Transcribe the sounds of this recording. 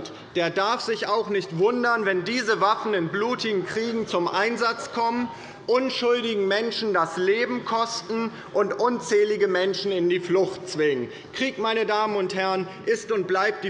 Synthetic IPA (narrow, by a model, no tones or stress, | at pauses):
t | d̥eːɐdaɐfz̥ɪçaʊxnɪçtv̥ʊndɐnvɛndiːzəvafn̩ɪnbluːtɪɡŋ̩kʁ̥iːɡŋ̩t͡sʊmʔaɪnzat͡skʰɔmən | ʔʊnʃʊldɪɡŋ̩mɛnʃn̩dasleːbm̩kʰɔstn̩ | ʔʊntʔʊnt͡sɛːlɪɡəmɛnʃn̩ɪndiːflʊxtt͡sv̥ɪŋən | kʁ̥iːkmaɪnədaːmənʊnthɛɐn | ʔɪstʊnt̚b̥laɪp̚td̥iː